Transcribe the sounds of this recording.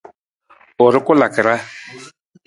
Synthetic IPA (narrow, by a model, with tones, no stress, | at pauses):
ʊ˨ɾɪ˦kʊ˦la˨kɪ˨ɾa˦